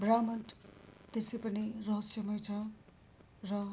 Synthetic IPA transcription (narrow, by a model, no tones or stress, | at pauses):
bramʌnʈt̪esejpʌnirʌɦʌsjʌmʌjt͡sʰʌ | rʌ